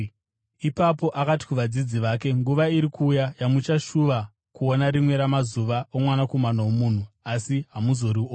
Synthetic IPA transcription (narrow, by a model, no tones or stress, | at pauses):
ipapo̞ʔakati̥kuʋad͡zid͡ziʋaːke̞ŋɡuʋaiɾikuːjajamut͡ʃaʃuʋa | kuo̞naɾimwe̞ɾamazuʋaomwanako̞manawomun̤uasiɦamuzo̞ɾio